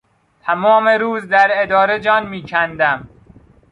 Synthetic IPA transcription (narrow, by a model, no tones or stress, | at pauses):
t̪ʰæmɒːme̞ɾuːzd̪æɾed̪ɒːɾe̞d͡ʒɒːnmiːcʰænd̪æm